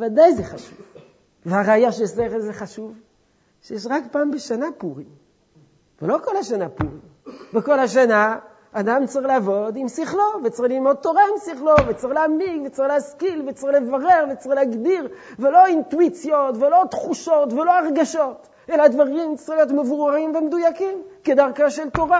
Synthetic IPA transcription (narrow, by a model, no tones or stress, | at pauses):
evad̪ajzeχaʃu̥v | veaʁaːjaʃejeʃleχezeχaʃuv | ʃejeʃ̬ʁakpaːmbeʃanapuʁim | velo̞ko̞laʃanapuʁim | veko̞lhaʃ̬anaː | d̪amt͡saʁiχleavo̞d̪imsiχlovet͡sʁililmo̞d̪̚t̪o̞ʁaimsiχlo̞vet͡sʁiχleamiɡvet͡saʁixleaskilvet͡sʁiχlevaʁe̞ʁvet͡sʁileːaɡdiʁ | velo̞int̪uit͡sjo̞tvelo̞t̪χuʃo̞tvelo̞aʁɡaʃo̞t | elad̪vaʁimt͡sʁiχlijotmevuʁaʁimvemed̪ujakimked̪aʁkaʃelt̪o̞ʁa